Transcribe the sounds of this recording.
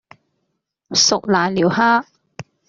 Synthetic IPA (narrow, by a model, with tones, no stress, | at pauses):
sʊ˨k̚laː˨˩jliː˨˩whaː˥